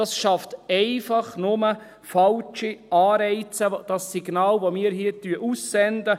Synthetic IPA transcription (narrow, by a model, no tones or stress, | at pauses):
ɑsʃɑftɛɪfɑχnʊmə | fɑlt͡ʃiɑːɾɛɪt͡səd̥ɑsiɡnɑːlʋomiːɾhiːtyəʔusːɛndə